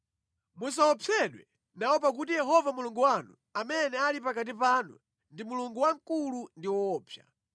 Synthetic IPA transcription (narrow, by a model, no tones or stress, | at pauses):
mus̬awɔpʰɛɗwɛ | nawɔp̬ak̬utijɛɦɔvamuluŋɡuwanṵ | amɛnɛalipakat̬ipanṵ | ndimuluŋɡuwaŋkulundiwɔːpʰja̰